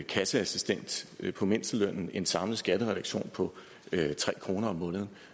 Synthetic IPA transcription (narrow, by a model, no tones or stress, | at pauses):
kʰæsəæsisd̥en̰d̥pʰɒ̽me̝n̰sd̥əløn̰n̩e̝nsɑ̈mlð̩ˠsɡ̥æd̥əʁɛɾɑ̈ɡ̥ɕo̝̰ːnpʰɒ̽ | t͡sʰʁɛ̰ːkʰʁo̝ːnɐɒ̽mːɔ̽ːnəð̞̩ˠ